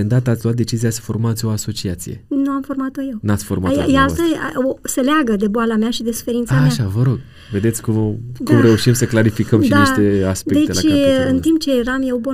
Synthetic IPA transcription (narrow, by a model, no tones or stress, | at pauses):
end̪at̪əat̪ʲloat̪̚d̪et͡ʃiziasə̥fo̞rmat̪sʲo̞aso̞t͡ʃiat̪sije̞̰nuamfo̞rmat̪oje̞wnat̪sʲfo̞rmajealt̪ə̰oseleaɡəd̪e̞boalameaʃid̪e̞su̥fe̞ɾint̪saʃavəɾo̞ɡ̚ | ve̞d̪e̞t̪sʲkumd̪umɾe̞uʃimsəklaɾifikəmʃinaiʃt̪e̞aspdeek̞̪et͡ʃlaɨnt̪imp̚t͡ʃe̞jeɾamjewbo